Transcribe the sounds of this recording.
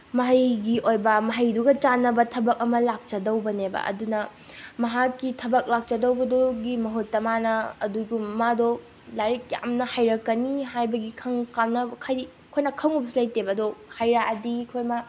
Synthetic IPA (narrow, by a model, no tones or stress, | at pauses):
mɐɦɐjɡiʔojbɐmɐɦɐjduɡɐt͡ʃanɐbɐtʰɐbɐk̚ɐmɐlak̚t͡ʃɐdɐwbɐnebɐ̰ʔɐ̰dunɐmɐɦakːitʰɐbɐk̚lak̚t͡ʃɐdɐwbɐdoɡimɐɦotːɐmanɐɐduɡummadɔ | laɾik̚ja̰mnɐhajɾɐkːɐniɦajbɐɡikʰɐŋkamnɐkʰaj | kʰojnɐkʰɐŋubslɐjtebɐdɔhajɾaɐdikʰojma